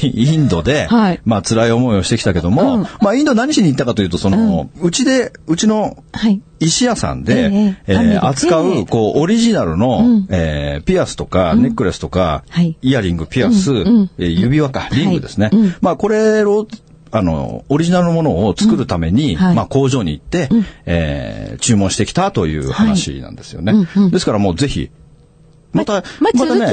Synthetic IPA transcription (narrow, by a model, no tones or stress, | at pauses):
ĩnd̪o̞d̪e̞mat͡sɨɾaio̞mo̞io̞ɕit̪e̞ki̥t̪ake̞d̪o̞mo̞maĩnd̪o̞naɲ̟iɕiɲ̟it̪ːakat̪ojɯ̟ːt̪o̞so̞noɯ̟t͡ɕid̪e̞ɯ̟t͡ɕino̞ | iɕijasã̰nd̪e̞eat͡sɨ̥kaɯ̟ko̞ːʔːɾʲiʑinaɾɯ̟no̞ḛːpʲiasɨ̥t̪o̞kane̞kɯ̟ɾesɨ̥t̪oka̰iaɾʲĩŋɡɯ̟pʲiasɨjɯbʲiβakaɾʲĩɡɯ̟d̪e̞sɨnemako̞ɾe̞ɾo | ano̞̰ːɾiʑinaɾɯ̟no̞mo̞no̞ːt͡sɨ̥kɯ̟ɾɯ̟t̪ame̞ɲ̟imako̞ːʑo̞ːɲ̟iːt̪ːe̞ḛːt͡ɕɨːmõɕi̥t̪e̞kʲi̥t̪at̪o̞jɯ̟̰ːhanaɕḭnã̰nd̪e̞sɨ̥jo̞̰ne̞d̪esɨ̥kaɾamo̞ːze̞çḭ | mat̪ammat̪ane